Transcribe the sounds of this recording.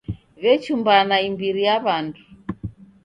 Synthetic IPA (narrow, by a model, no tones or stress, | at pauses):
ɣɛt͡ʃumbanaimbiɾijaβandu